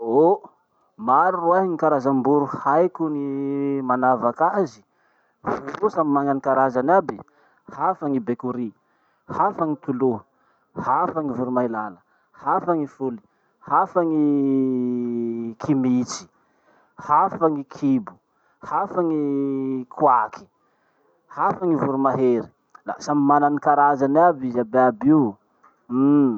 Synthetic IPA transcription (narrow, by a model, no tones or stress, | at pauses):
o | maɾuruaɦiŋikaɾazambuɾuhajkunimanavakazi̥ | vuɾusamimaŋanikaɾazanabi | hafaŋibekuɾi | hafaŋit̪ulu | hafaŋivuɾumajlalə | hafaŋifuli̥ | hafaŋi | kʰimit͡si̥ | hafaŋikʰibu̥ | hafaŋikʰwakʰi̥ | hafaŋivuɾumaɦeɾi̥ | la̰samimananikaɾazanabizabeabiw̩